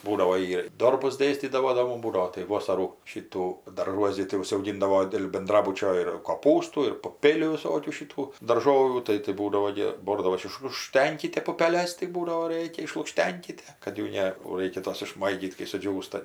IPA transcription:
ˈbuːdɐʋoː ˈjiː ɪr ˈdoːrbʊs ˈdʲeːsʲtʲiːdɐʋoː doː ˈmʊm ˈbuːdɐʋoː tɐɪ ˈʋoːsɐruː ˈʃʲiːtuː dɐrˈʒuɔs ɡʲɪ tɐɪ ʊʒɐʊˈɡʲɪndɐʋoː dʲeːlˠ bʲɛnˈdrɑːbʊt͡ʃʲoː ɪr koːˈpuːstuː ɪr pʊˈpʲeːlʲuː ʋʲɪˈsoːkʲuː ʃʲɪˈtuː dɐrˈʒoːʋʲuː ˈtɐɪ tɐɪ ˈbuːdɐʋoː ɡʲɪ ˈboːrdɐʋoːs ɪʃlˠʊkˈʃʲtʲɛŋʲkʲɪtʲɛ pʊpʲɛˈlʲɛs tɐɪ ˈbuːdɐʋoː ˈrʲeːkʲɛ ɪʃlˠʊkˈʃʲtʲɛŋʲkʲɪtʲɛ kɐt ˈjuː ˈnʲɛ oː ˈrɐɪkʲɛ ˈtoːs ɪʃˈmɐɪɡʲiːt kɐɪ sʊˈd͡ʒʲuːstɐ

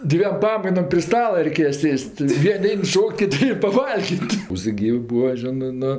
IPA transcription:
ˈdʲʋʲiɛm ˈpɑːmɐɪnoːm pʲrʲɪ ˈstɑːlˠɐ rʲɛɪˈkʲeːjɛ ˈsʲeːsʲtʲ ˈʋʲiɛnʲ ˈɛɪn ˈʃoːkʲtʲ kʲɪˈtʲɪ pɐˈʋɐlʲɡʲɪtʲ ʋoːs ˈɡʲiːʋʲɪ ˈbuːʋɐ ˈʒʲɪnɜ ˈnʊ

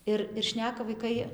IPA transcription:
ˈɪr ɪr ˈʃʲnʲæːkɐ ʋɐɪˈkɐɪ

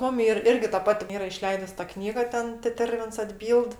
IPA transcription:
ˈmʊm ˈiːr ˈɪrʲɡʲɪ tɐ ˈpɑːtʲɪ ˈiːrɐ ɪˈʃʲlʲɛɪdʊs tɐ ˈknʲiːɡɐ ˈtʲɛn tʲɛˈtʲɛrʲʋʲɪns ɐdʲˈbʲiːlˠt

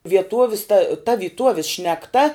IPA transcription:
ʋʲiɛˈtoːʋʲɪs tɐ tɐ ʋʲiːˈtuɔʋʲɪs ʃʲnʲɛkˈtɐ

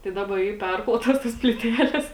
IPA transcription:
tɐɪ ˈdɑːbɐ ˈiː ˈpʲɛrklˠoːtɐs tɐs pʲlʲiːˈtʲæːlʲeːs

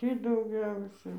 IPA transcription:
ˈtʲiː dɐʊˈɡʲɛʊsʲɛ

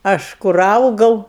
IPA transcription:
ˈɐʃ kʊr ˈɐʊɡɐʊ

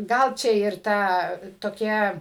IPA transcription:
ˈɡɐlˠ ˈt͡ʃʲɛ ɪr ˈtɑː toːˈkʲæː

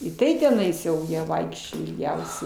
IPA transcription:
ɪ ˈtɐɪ tʲɛˈnɐɪs jɛʊ ˈjiɛ ˈʋɐɪkʃʲt͡ʃʲoːj ɪlʲˈɡʲɛʊsʲɛɪ

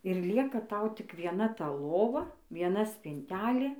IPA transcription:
ɪr ˈlʲiɛkɐ ˈtɐʊ tʲɪk ʋʲiɛˈnɐ tɐ ˈlˠoːʋɐ ʋʲiɛˈnɐ sʲpʲɪnʲˈtʲæːlʲeː

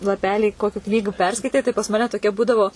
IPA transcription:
lˠɐˈpʲæːlʲiː ˈkoːkʲʊ ˈknʲiːɡʊ ˈpʲɛrskɐɪtʲɛɪ tɐɪ pɐs ˈmɑːnʲɛ toːˈkʲɛ ˈbuːdɐʋoː

